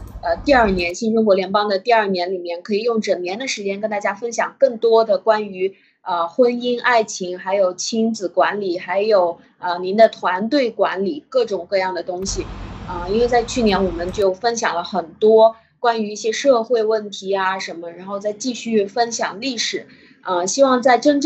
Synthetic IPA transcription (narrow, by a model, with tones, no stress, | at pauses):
ə˧t̪i˥˧ɐ˞˥˩njɛ˧˥nɕi˥˩nʈ͡ʂʊ˥ŋkwɔ˧˥ljɛ˧˥npɑ˥ŋd̪ə˨t̪i˥˧ɐ˞˥˩njɛ˧˥nli˨˩mjɛ˥˩nkʰɤ˧˥i˨˩jʊ˥˩ŋʈ͡ʂə˨˩ŋnjɛ˧˥nd̪ə˨ʂɻ̩˧˥t͡ɕjɛ˥nkə˥nt̪a˥˩t͡ɕja˥fə˥nɕjɑ˨˩ŋkɤ˥˩ŋt̪wɔ˥d̪ə˨kwa˥ny˧˥ | ə˧xwə˥ni˥nʔa˥˩ɪt͡ɕʰi˧˥ŋxa˧˥ɪjo˨˩ʊt͡ɕʰi˥nt͡sɹ̩˨˩kwa˧˥nli˨˩xa˧˥ɪjo˨˩ʊ | ə˧ni˧˥nd̪ə˧t̪ʰwa˧˥nt̪we˥˩ɪkwa˧˥nli˨˩kɤ˥˩ʈ͡ʂʊ˨˩ŋkɤ˥˧jɑ˥˩ŋd̪ə˩t̪ʊ˥ŋɕi˨ə˧i˥nwe˥˧t͡sa˥˧ɪt͡ɕʰy˥˩njɛ˧˥nwɔ˨˩mə˦nt͡ɕjo˥˩ʊfə˥nɕ̬jɑ˨˩ŋlə˦xə˨˩nt̪wɔ˥ | kwa˥ny˧˥i˥˩ɕjɛ˥ʂɤ˥˧xwe˥˧ɪwə˥˩nt̪ʰi˧˥a˧ʂə˧˥nmə˧ɻa˧˥nxo˥˧ʊt͡sa˥˧ɪt͡ɕi˥˧ɕy˥˩fə˥nɕjɑ˨˩ŋli˥˩ʂɻ̩˨˩˦ | ə˧ɕi˥wɑ˥˧ŋt͡sa˥˩ɪʈ͡ʂə˥nʈ͡ʂ